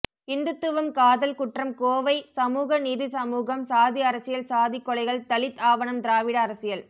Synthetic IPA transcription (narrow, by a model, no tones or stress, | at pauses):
ɪnd̪ɯt̪ːɯʋɐmkaːðɐlkʊʈrɐmkoːʋɐɪsɐmuːɣɐniːðisɐmuːɣɐmsaːðiɐɾɐsɪjɐlsaːðɪkːɔɭɐɪɣɐɭt̪ɐlɪt̪ːaːʋɐɳɐmd̪ɪɾaːʋɪɽɐɐɾɐsɪjɐl